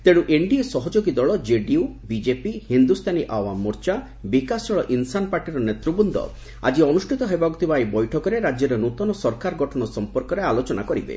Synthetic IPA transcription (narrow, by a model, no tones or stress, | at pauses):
t̪eɽ̃uʔeɳɖiesɔɦɔd͡ʒoɡid̪ɔɭɔd͡ʒeɖiubid͡ʒepihind̪ust̪ʰaniʔawamːɔɾt͡ʃa | bikasɔɭɔʔinsanpaɾʈiɾɔnet̪ɾubund̪ʱɔ̰ | a̰d͡ʒiɔnusʈʰit̪ɔɦebaɡut̪ʰibaebɔjʈʰɔkɔɾeɾad͡ʒjɔɾenut̪ɔnɔsɔɾkaɾɡɔʈʰɔɽ̃ɔsɔmpɔɾkɔɾealot͡ʃɔnakɔɾibḛ